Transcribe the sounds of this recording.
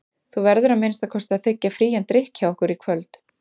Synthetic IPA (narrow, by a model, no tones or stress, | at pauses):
θuvɛɾðʏɾaðmɪːnɪst̪aðkʰɔst̪aðθɪcːafɾiːjant̪ɾɪhkçawɔhkʏɾikʰvœlt̪